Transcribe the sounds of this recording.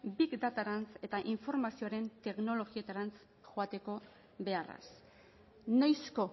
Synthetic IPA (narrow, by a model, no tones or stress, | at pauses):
bikd̪at̪aɾant͡se̞t̪aʔiɱfo̞ɾmasio̞aɾe̞nt̪e̞kno̞lo̞ɣie̞t̪aɾant͡s | ʝoat̪e̞ko̞ | βe̞ara̰s | najsko̞